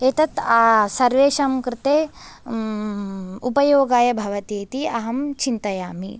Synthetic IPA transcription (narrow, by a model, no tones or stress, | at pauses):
eːt̪ɐt̪asɐɾʋeːʃɐmkɾɪt̪eː | upɐjoːɡaːjɐbʱɐʋɐt̪eːt̪iɐɦɐmt͡ʃint̪ɐjaːmḭ